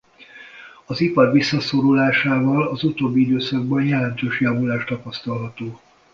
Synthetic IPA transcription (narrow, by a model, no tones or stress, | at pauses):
ɒzipɒrvisːɒsoɾulaːʃaːvɒlɒzut̪oːbːiid̪øːsɒɡ̚bɒnjɛlɛnt̪øːʃjavulaːʃt̪ɒpɒst̪ɒlɦɒt̪oː